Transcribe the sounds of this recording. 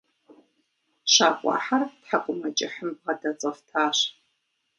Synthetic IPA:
ʃaːkʷʼɑ̰ːħartħakʷʼʊmɐt͡ʃʼɪħəmb̚ʁɐdɐt͡sʼɐftʰaːʂ

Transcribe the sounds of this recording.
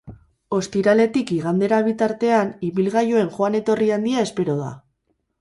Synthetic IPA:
o̞st̪iɾale̞t̪ikiɣand̪e̞ɾaβ̞it̪aɾt̪e̞aniβilɣajoe̞nxoane̞t̪o̞riand̪iae̞spe̞ɾo̞ð̞a̰

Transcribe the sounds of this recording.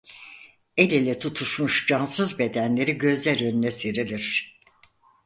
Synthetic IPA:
e̞lʲelʲɛt̪ʰut̪ʰuʃmuʃd͡ʒansɯzbe̞d̪ænlʲe̞ɾiɟø̞zlʲæɾønynʲɛseɾilʲiɾ̥

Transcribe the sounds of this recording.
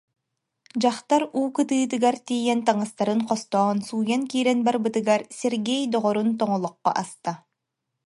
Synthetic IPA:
d͡ʑaχt̪aɾuːkɯt̪ɯːt̪̬ɯɡaɾt̪iːjɛnt̪aŋast̪aɾɯnqɔst̪ɔːnsuːjankiːɾɛnbaɾbɯt̪ɯɡaɾsɛɾɡɛjd̪ɔʁɔɾunt̪̬ɔŋɔlˠɔqːɔ̰ʔast̪a

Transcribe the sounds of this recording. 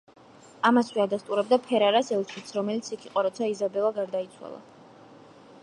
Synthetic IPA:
amasvɛad̪ast̪ʼuɾɛb̚d̪apʰɛɾaɾasɛlˠt͡ʃʰit̪sʰɾɔmɛlit̪sʰikʰiqʼɔɾɔt̪sʰaizabɛlˠaɡaɾd̪ait̪sʰwa̰lˠa̰

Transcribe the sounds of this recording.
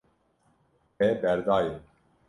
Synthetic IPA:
ɛbɛɾd̪ɑːjin

